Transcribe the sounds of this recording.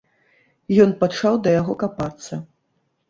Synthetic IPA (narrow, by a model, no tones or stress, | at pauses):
jɔnpat͡ʂawd̪ɐjaɣɔkapat̪sːɐ